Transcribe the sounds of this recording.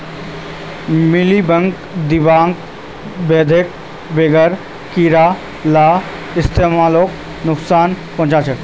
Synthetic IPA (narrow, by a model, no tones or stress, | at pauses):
mɪlibə̃ŋk | d̪ɪbaːŋɡ | beːd̪ʱek̚ | beːɡəɾ | kiːɾaː | laː | ɪst̪eːmaːloːk | nʊksaːn | pɔ̃ːt͡ʃaːt͡ʃəʈ